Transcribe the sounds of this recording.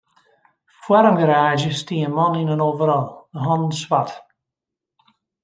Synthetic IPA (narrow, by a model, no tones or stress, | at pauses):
fwɛɾəmɡəɾaːʒəstiːəmɔnɪnənoːvəɾɔlˠəɦɔnnsvat